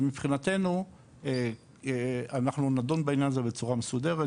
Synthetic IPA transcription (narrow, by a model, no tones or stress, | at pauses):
mipχinat̪e̞nu | anaχnunadonbeinjanazebe̞t͡suʁamesud̪e̞ʁe